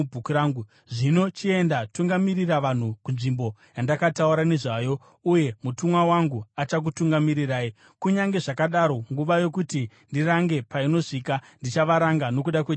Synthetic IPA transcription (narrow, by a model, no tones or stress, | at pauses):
bʱukuɾaːŋɡu | ʐino̞t͡ʃie̞ndatuŋɡamiriraʋan̤ukunʐimbo̞jandakatauɾane̞ʐajo̞ | uje̞mutumwawaŋɡuat͡ʃak̬utuŋɡamiɾiraːi | kuɲaŋɡe̞ʐakaɗaɾo̞ŋɡuʋajo̞k̬uti | ndiraŋɡe̞paino̞ʂikandit͡ʃaʋaɾaŋɡano̞k̬uɗakwe